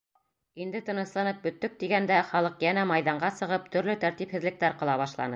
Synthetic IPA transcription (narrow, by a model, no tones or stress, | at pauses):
ind̪ɘt̪ɤ̆nɤ̆slˠɑnɤp̚bɵ̆t̪ːɵk̚t̪iɡænd̪æχɑlˠɤqjænæmɑjðɑɴɢɑsɤ̆ʁɤp̚t̪ɵ̆ɾlɵt̪æɾt̪iphɘ̆ðlɘ̆k̚t̪æɾqɤ̆lˠɑβɑʃlˠɑ̰nɤ